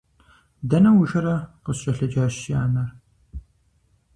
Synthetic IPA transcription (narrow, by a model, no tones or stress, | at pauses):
dɐnɐwʊʒɐɾɐqəsɕʼɐɬɐd͡ʒaːɕiaːmɐr